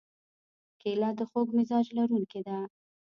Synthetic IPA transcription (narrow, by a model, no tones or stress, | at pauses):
kelɑd̪əxoɡmɪzɑd͡ʒlaɾuŋked̪a